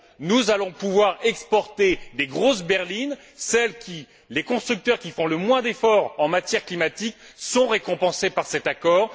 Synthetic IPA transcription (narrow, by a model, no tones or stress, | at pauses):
nuzalɔ̃puvwaʁɛkspɔʁt̪ed̪eɡʁosbɛʁlin | sɛlkʲʰi | lekɔ̃st̪χyk̚t̪œʁkʲifɔ̃ləmwɛ̃d̪efɔʁɑ̃mat̪jɛʁklimat̪iksɔ̃ʁekɔ̃pɑ̃sepaʁsɛt̪akɔːʁ